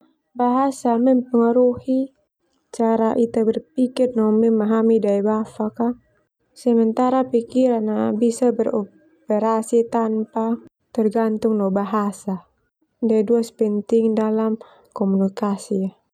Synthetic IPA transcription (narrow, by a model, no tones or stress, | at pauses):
baɦasamɛmpəŋaɾuhi | t͡ʃaɾaʔit̪abɛrpikirnɔmɛmːaɦamidaibafaka | səmənt̪aɾapikiɾanabisabərɔ | pɛɾasit̪ampa | t̪ɛrɡant̪ʊŋnɔbaɦasa | daiduaspɛnt̪ɪŋdalam | kɔmunikasia